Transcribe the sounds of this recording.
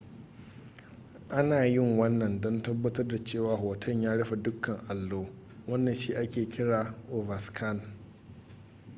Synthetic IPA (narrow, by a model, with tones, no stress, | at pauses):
ʔa˦naː˨jɪ˦˨ŋwɐ˦nːɐ˨ndɔ˦ntɐ˦bːɐ˦tɐ˦rda˨t͡ʃeː˦˨waː˨ɦoː˨tʰɐ˦ɲjaː˦ɽɐ˦ɸa˨dʊ˦kːɐ˨ŋʔa˨lːoː˦ | wɐ˦nːɐ˨ʃiː˦ʔa˦kʲeː˨kʲɪ˦ɽaː˨ʔoː˨vɐ˨skʰɐ˦˨n